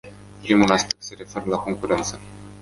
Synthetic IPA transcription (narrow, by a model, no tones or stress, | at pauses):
pɾimulaspek̚t̪se̞ɾe̞fe̞ɾəlako̞ŋkuɾe̞nt̪sə